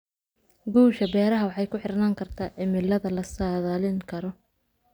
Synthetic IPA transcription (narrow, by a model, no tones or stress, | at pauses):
ɡuːʃɐbɛːɾɐɦɐwɑħɑjkʰʊħɪrnaːŋkʰɐrt̪ʰaːʕɪmɪlːɐðɐlɐsaːðaːlɪŋkʰɐɾɔ